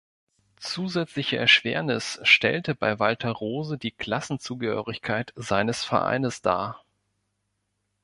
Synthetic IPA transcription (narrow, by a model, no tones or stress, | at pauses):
t͡suːzɛt͡slɪçəʔɛɐʃv̥eːɐnɪsʃtɛ̰ltəbaɪvaltʰɐʁoːzədiːkʰl̥asn̩t͡suːɡəhø̰ːʁɪçkʰaɪtz̥aɪnəsfɛ̰ɐʔa̰ɪnəsd̥a̰ː